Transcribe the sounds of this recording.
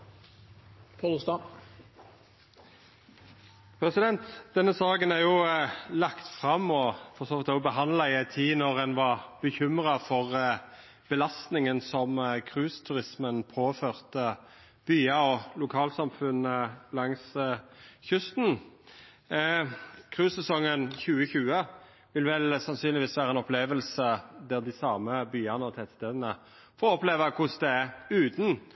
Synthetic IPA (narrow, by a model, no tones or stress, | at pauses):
pʰolst̪ɑ | pʰʁɛsɪd̪ɛnt̪d̪̥ɛnːəsɑːɡənæʁjʊlɑkt̪fʁɑmːɔfɔʁsoːʋɪt̪obəɦɑnlɑɪæɪt̪ʰiːnɔʁɛnʋɑʁb̥əçʏmʁɑfɔʁ | b̥əlɑst̪nɪŋənsɔmkʰʁʉːst̪ʰʉʁɪsmənpʰoːføːʁt̪ə | b̥yːɑɔlʊkʰɑːlsɑmfʉnəlɑŋs | çʉst̪n | kʰʁʉːsɛsɔŋːənçʉːəçʉːə | ʋɪlʋɛlsɑnsyːnlɪʋiːsʋæːɾʁəɛnɔpʰleːʋəlsəd̪æʁd̪ɪsɑːməbyːɑnəɔt̪ʰɛt̪st̪eːd̪ənə | fɔʁɔpleːʋɑkʰʊsd̪ɛæʉːt̪n̩